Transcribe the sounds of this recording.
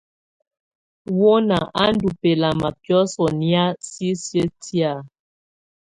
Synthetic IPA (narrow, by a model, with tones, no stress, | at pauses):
wo˦na˨ʔa˦n̩˦du˨pe˨la˨ma˨pjɔ˦sɔ˨ni˦a˦si˦sjə˦ti˦a˦˨